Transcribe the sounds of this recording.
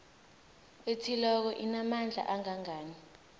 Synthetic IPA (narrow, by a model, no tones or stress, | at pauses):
etʰilɔk̬ɔʔinamand͡ɮʱa̰ʔaŋaŋaːni